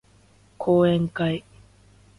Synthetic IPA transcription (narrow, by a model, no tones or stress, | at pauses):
kʰoːeŋkaj